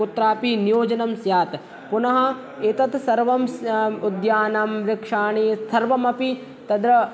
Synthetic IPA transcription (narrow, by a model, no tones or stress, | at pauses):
ut̪ɾaːpinijoːd͡ʒɐnɐmsjaːt̪ | punɐɦɐ̆ | et̪ɐt̪sɐɾʋɐmsud̪jaːnɐmɾɪkʂaːɳisɐɾʋɐmɐpi | t̪ɐd̪ɾɐ